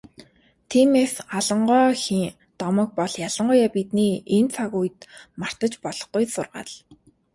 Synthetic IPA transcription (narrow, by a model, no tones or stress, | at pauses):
t̪ʰimefaɮə̆ɴɢœːxiŋ | t̪ɔmɞ̆k̚pɔɮjaɮə̆ɴɢʊjaːpit̪niːent͡sʰaɣuj̆t̪mar̥t̪ə̆t͡ɕpɔɮɞ̥̆χɡujsʊrʁa̰ːɮ